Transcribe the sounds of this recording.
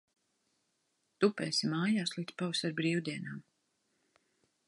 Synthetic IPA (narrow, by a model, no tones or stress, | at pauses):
t̪upɛ̰ːsimaːjaːslˠiːd̪spawsaɾbɾiːwd̪iɛnaːm